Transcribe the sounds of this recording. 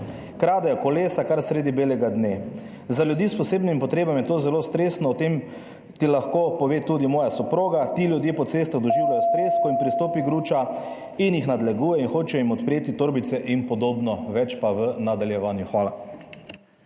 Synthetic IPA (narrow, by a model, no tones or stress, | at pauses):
kɾaːd̪ajɔkɔleːsakaɾsɾeːd̪ibeːlɛɡad̪ne | zaljud̪ispɔseːbnimpɔt̪ɾeːbamjɛt̪oːzɛlost̪ɾeːsnɔːt̪em | t̪ilaxkopɔʋeːt̪uːd̪imɔːjasɔpɾoːɡat̪ilʲjud̪jepɔt̪seːst̪aɣd̪ɔʒiːwlajɔst̪ɾeskɔinpɾist̪oːpiɡɾuːt͡ʃa | injixnad̪lɛɡuːjɛinxoːt͡ʃɛimɔt̪pɾeːt̪it̪oːɾbit̪sɛʔinpɔd̪oːbnɔʋɛt͡ʃpaʋənad̪aljɛʋaːnjuxʋaːla